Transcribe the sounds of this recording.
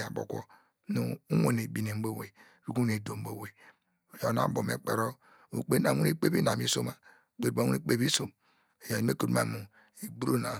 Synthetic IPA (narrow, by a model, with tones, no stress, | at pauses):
a˨bo̰˨kʷo̰˦ | nu˨u˦ŋo˦˨ne˨bi˨ne˨m˦bo˦we˨ | ɾu˦ku˦ne˨do˨m̩˦bo˦we˨ | jo˨na̰˦˨˦bo˨mḛ˨k͡pḛ˨ɾo˦ | ṵ˨k͡pe˦a˨˦u˦e˦k͡pe˦bi˦na˨mi˦so˦ma˨ | k͡pe˨a˦˨˦u˦ne˦k͡pe˦˨bi˦so˨m˨ | ja˨˦e˦ko˨dma̰˨mu˨ | i˨bu˦ɾo˦na˨